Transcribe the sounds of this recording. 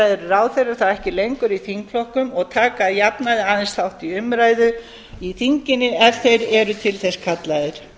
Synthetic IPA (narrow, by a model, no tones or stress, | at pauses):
ajðɪɾraːwθejrḁθawɛhcɪlejŋkʏɾiθiŋkflɔhkʏmɔɣt̪ʰaːkajapnaðɪaːðɪnsθawht̪iʏmɾaːjðʏ | iθiɲcɪnːɪɛvθejɾɛɾʏt̪ʰɪlθɛskʰat̪laðɪɾ̥